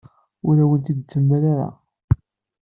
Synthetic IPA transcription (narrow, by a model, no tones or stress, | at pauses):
ʊɾæwənt̪id̪t͡sːəmːaɾaɾa̰